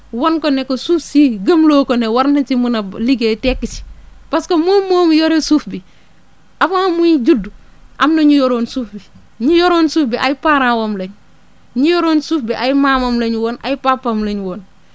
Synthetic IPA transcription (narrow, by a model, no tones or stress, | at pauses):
wɔnkonekosuːfsiɡɐmloːkonewaɾntɐt͡ʃimunɐliɡeːtɛkːit͡ʃi̥paskomoːmːoːmjɔɾesuːfbi | ʔafaːmuɲɟudu | ʔamnɐɲujɔɾoːnsuːfbi | ɲujɔɾoːnsuːfbiʔajpaːɾãːwomleɲ | ɲujɔɾoːnsuːfbiʔajimaːmomleɲwɔːna̰jpaːpːamleɲwoːn